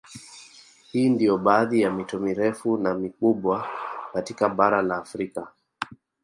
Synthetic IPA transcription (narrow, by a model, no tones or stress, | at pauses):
hiːndijɔɓaːðijamitɔmiɾɛfunamikuɓwakatikaɓaɾalaːfɾika